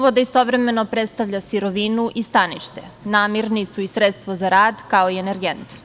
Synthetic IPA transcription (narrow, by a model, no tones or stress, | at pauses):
ʋod̪aist̪o̞vɾe̞me̞no̞pɾet̪st̪aʋʎasiɾo̞ʋinuʔist̪anḭʃt̪enaːmiɾnit̪suisɾet̪st̪ʋozaɾaːd̪kaoieneɾɡent̪